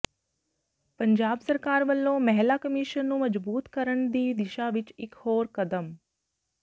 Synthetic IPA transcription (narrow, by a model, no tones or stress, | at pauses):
pɐɲd͡ʒaːbsɐɾkaːɾʋəlːõmɐɦɛlakəmiʃənːũːmɐd͡ʒbuːt̪kəɾəɳ̃d̪iːd̪ɪʃaʋɪt͡ʃɪkhoːɾkɐd̪əm